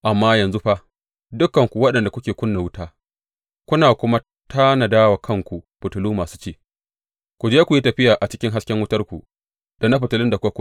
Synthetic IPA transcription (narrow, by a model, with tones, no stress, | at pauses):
ʔa˨mːaː˦jɐ˨nzu˦ɸa˦ʔ | dʊ˦kːɐ˨ŋkʷu˨wɐ˦ɗɐ˨nda˨kʷʊ˦kʲeː˨kʷʊ˦nːa˨wʊ˦taː˦ | kʷʊ˦naː˨kʷʊ˦ma˦ | tʰa˦na˨daː˦wa˨kʰɐ˦ŋkʷu˨ɸʊ˨tʊ˨luː˦maː˨su̥ː˦t͡ʃeː˦˨ | kʷu˨d͡ʒeː˦kʷu˨ji˦tɐ˨ɸɪ˦jaː˨ʔa˨t͡ʃɪ̥˦kʲɪ˦ŋɦa˦skʲɛ˦ŋwʊ˦tɐ˦rkʷu˨ | d̥a˨na˦ɸ̬ʊ˨tʊ˨lɪ˦nda˨kʷka˦kʷ